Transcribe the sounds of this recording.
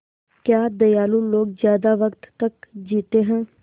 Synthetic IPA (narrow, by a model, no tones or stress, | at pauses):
kjaːd̪əjaːlũːloːkzjaːd̪aːʋəkt̪ːəkd͡ʒiːt̪eːɦãː